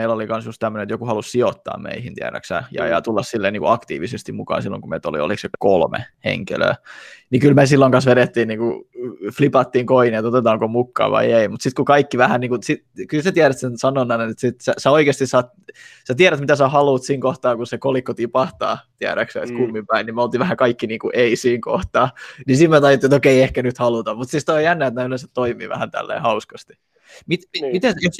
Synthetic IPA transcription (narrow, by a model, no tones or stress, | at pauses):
eilolikɑnsjust̪t̪æmːønet̪jokuhɑlussiot̪ːɑ̰ːmmḛihint̪iæ̰ɾæ̰ksæ̰jɑ̰jɑ̰t̪ulːɑssilːeːniːkuɑkt̪ḭːʋisest̪imukɑ̰ːnsilːo̰ŋkumḛt̪o̰lḭo̰liksekolmḛhḛŋkḭlø̰ːnikylmesilːoŋkɑnsʋeɾet̪ːiːnniːŋkuflipɑt̪ːiːŋkoinet̪ot̪et̪ɑːŋkomukːɑ̰ːʋɑ̰ieimut̪sit̪̚kukɑikːiʋæhænniːŋkusit̪ | kylsæt̪iæɾæt̪sensɑnonːɑnenet̪sit̪sæsæoikeːst̪isɑːt̪ | sæt̪iæɾæt̪mit̪æsæhɑluːt̪siːŋkoht̪ɑːkusekolikːot̪ipɑht̪ɑ̰ːt̪iæ̰ɾæ̰ksøḛt̪kumːimpæinnimæolt̪iːʋæhækɑikːiniːŋkuʔeisiːŋko̰ht̪ɑːnisit̪myøt̪ɑjot̪ːiet̪okeiehkænyt̪hɑlut̪ɑmmut̪sist̪ojænːæːet̪næylenset̪toimḭːʋæ̰hænt̪æ̰lːḛːhɑuskɑst̪i̥ | mit̪imit̪enjos